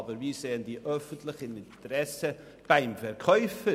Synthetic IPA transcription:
bəɾviːseːəndiːʔœfəntlɪçənɪnt̪əɾɛsə | b̥aɪmfɛɾkʰœʏfə

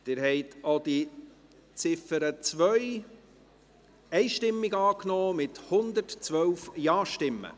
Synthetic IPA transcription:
d̥ɪːɾhɛɪtʰod̥̪i | t͡sɪfəɾət͡sʋœʏ | ɛɪʃtɪmːɪɡɑːknɔːmɪthʊnd̪ətt͡svœwfjɑːʃtɪmːə̰

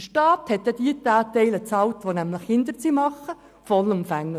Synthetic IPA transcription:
ʃtɑːthɛt̪ːɛdiətaːtɛɪlət͡sɑːltʋonæmləχhɪnd̪əɾt͡simɑχə | fɔlumfæŋlə

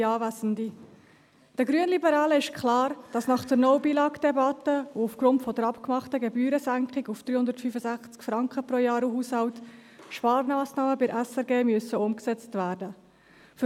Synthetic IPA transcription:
ɑːvæzn̩di | d̥əɡɾyənlibəɾɑːləɪʃkʰlɑːɾd̥ɑsnɑχd̥əɾnɔwbilɑːkd̥ɛbɑtːəuufɡ̥ɾʊntfɔdəɾɑpkmɑχtəɡɛbyːɾəsæŋkχɪɡufd̥ɾyːhʊnd̪ətfyfəzæχt͡skfɾɑŋkχəpɾojɑːɾuɦuːshɑwtʃpɑːɾnɑːsnɑːməbɪɾʔæsɛɾɡeːmyəsəʊmksɛt͡stvæːɾdə | f

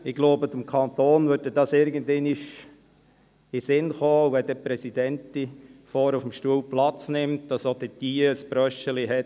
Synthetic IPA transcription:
ɪɡloʊbətəmkʰɑnt̪oːnʋød̚ədɑsɪɾɡəndɛniʃ | ɪsɪnχoːʋɛdəpɾɛsidɛnt̪ifoːɾufəmʃtuəwplɑt͡snɪmt̚d̥ɑsod̥itiːəəsb̥ɾœʃəliɦɛt

